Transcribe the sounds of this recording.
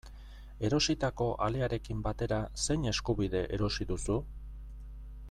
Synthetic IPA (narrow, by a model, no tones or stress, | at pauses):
e̞ɾo̞sit̪ako̞ʔaleaɾe̞kimbat̪e̞ɾase̞jɲe̞skuβiðe̞ʔe̞ɾo̞siðusu